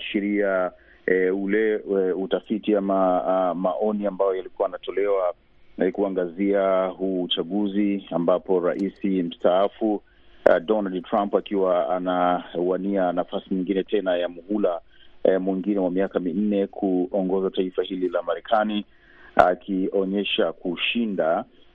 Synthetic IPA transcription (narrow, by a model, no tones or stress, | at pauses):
ʃiɾia | ulɛutafitiamamaʔɔniambajɔjalikuwaanatɔlɛwa | kuaŋɡaziahuːt͡ʃaɡuziambapɔɾa̰ʔisim̩staafu | dɔnaldtɾampakiwaanauwanianafasimiŋɡinɛtʰɛnajamuhulamwiŋɡinɛwamiakamin̩nɛkʰuɔŋɡɔzataifahililamaɾɛkʰani | a̰kʰiɔɲɛʃakuʃinda